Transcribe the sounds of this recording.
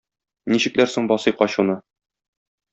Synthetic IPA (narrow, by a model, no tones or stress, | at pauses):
niɕɘ̆klæɾsoɴbɒsɤjqɒɕunɤ